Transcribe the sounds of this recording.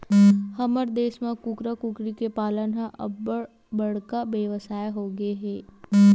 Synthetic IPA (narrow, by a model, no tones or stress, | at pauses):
həməɾd̪eːʃmẽkʊkɾakʊkɾikepaːlənɦãʔɐ̰ | bəɽkaʋeʋəsaːeɦoːɡeɦɛː